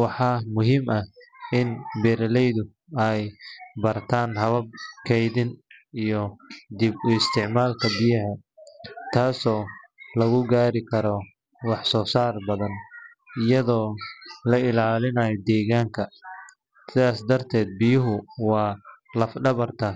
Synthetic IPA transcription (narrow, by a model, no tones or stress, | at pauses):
wɑħɑːmʊɦiːmʔɐhɪnbɛːɾɐlɛjðʊ | ɛjbɐrt̪ʰaːnɦɐβɐb̚kʰɛjðɪnijɔd̪ɪbʊɪst̪ʰɪʕmaːlkʰɐbɪjɐɦɐ | t̪ʰaːsɔːlɐɣʊɡaːɾɪkʰɐɾɔ | wɑħsɔːsaːrbɐðɐn | ɪjɐðɔːlɐɪlaːlɪnɐːjɔd̪ɛːɣaːŋkʰɐ | sɪðaːsd̪ɐrt̪ʰɛːd̪̚bɪjʊɦʊwɑːlɐfɖɐβɐrt̪ʰɐ